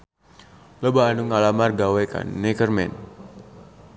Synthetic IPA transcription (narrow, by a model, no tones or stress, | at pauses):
ləbaːnuŋalamarɡawɛka̰nːɛkərmɛn